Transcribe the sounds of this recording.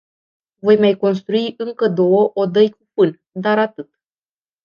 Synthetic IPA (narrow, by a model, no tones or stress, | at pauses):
vo̞jmajko̞ns̬t̪ɾuiʔɨŋkəd̪o̞wəʔod̪əjk̚upɨn | d̪aɾat̪ɨt̪